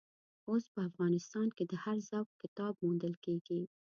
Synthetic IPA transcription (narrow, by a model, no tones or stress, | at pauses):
ospəafɣɑnɪst̪ɑnked̪əhaɾzawkkɪt̪ɑbmund̪əlkeɡ̥i